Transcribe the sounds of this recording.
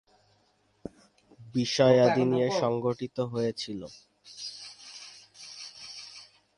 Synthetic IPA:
biʃɔead̪inieʃɔŋɡoʈit̪oɦojet͡ɕʰilo

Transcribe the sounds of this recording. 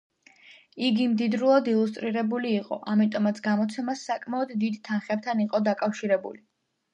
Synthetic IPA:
iɡimd̪id̪ɾulˠad̪ilˠust̪ʼɾiɾɛbuliːqʼɔ̰ʔamit̪ʼɔmat̪sʰɡamɔt̪sʰɛmasːakʼmaɔd̪ːid̪t̪ʰːanχɛb̚t̪ʰaniqʼɔd̪akʼafʃiɾɛbṵli

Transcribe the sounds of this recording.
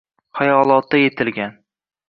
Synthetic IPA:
χajɒlˠɒt̪ːaje̞t̪ʰɪlɡʲan

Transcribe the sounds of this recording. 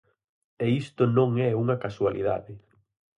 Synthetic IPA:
ɛist̪ʊnõŋɛuŋɐkaswalḭða̰ðɪ

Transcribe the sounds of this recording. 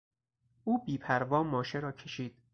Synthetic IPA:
ʔuːbiːpʰæɾvɒːmɒːʃeɾɒːkʰe̞ʃiːd̪̥

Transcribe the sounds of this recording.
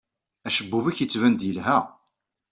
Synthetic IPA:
æʃəbːuvæçjət͡sːvænd̪jəlɦæ

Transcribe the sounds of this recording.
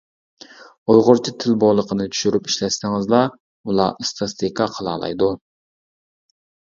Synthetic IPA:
ojʁʊɾt͡ʃʰit̪ʰɪlbolˠəqʰənɨt͡ʃ̪ʰy̥ʃyɾypiʃlɛsɪŋɪzlˠɑ | ulˠɑ̰ɨst̪ʰɑst̪ʰekʰɑqʰəlˠɑ̰ːlˠɑ̰jd̪u

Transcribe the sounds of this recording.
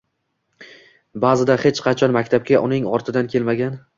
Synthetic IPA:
bazɪd̪ahe̞t͡ʃqʰɑt͡ʃʰɒnmakʲt̪ʰap̚kʲaʔʊnɪŋɒɾt̪ʰɪd̪ankʲʰe̞lmaɡʲan

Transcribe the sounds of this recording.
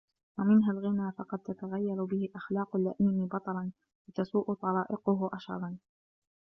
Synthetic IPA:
wamɪnɦalɣɪnaːfɑqɑd̪̚t̪at̪aɣajːaɾʊbɪhɪʔaxlɑːqʊlːa̰ʔiːmɪbɑt̪ˤɑlɑn | lɪt̪asuːʔʊt̪ˤɑlɑːʔɪqʊɦʊʔaʃɑ̰ɾˤɑn

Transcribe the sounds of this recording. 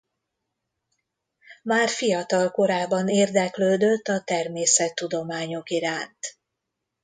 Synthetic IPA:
maːrfijɒt̪ɒlko̞ɾaːbːɒneːrd̪ɛkløːd̪ø̞t̪ːɒt̪ɛrmeːsɛt̪ːud̪o̞maːɲo̞kiɾaːnt̪

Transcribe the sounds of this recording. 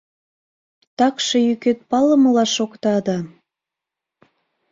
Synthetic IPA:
t̪ɑkʃĕjyket̪̚pɑləməlɑʃokt̪ɑd̪ɑ

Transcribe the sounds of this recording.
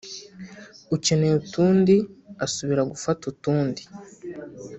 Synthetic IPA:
uce̞ne̞utuːndiasuβiɾaɡufatutuːndi̥

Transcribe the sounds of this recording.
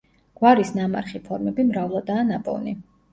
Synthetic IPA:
ɡ̥waɾisnama̰ɾχipʰɔɾmɛbimɾavlˠad̪aːnapʼɔ̰ni

